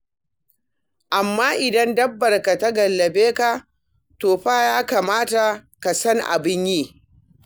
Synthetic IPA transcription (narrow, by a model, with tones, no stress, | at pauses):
ʔa˨mːaː˦ʔɪ˨dɐ˦ndɐ˦bːɐ˨rka˨ta˦ɡɐ˨lːɐ˨beː˦ka˨ | toː˨ɸaː˦jaː˦kaː˨maː˦ta˨ka˨sɐ˦ŋʔa̰˨bɪ˦ɲjiː˦˨